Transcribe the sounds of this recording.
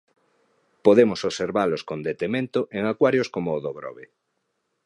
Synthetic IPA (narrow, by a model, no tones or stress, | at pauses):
poðemosoβseɾβaloskond̪et̪emẽnt̪oʔeŋakwaɾjoskomoːðoɣɾɔ̰βe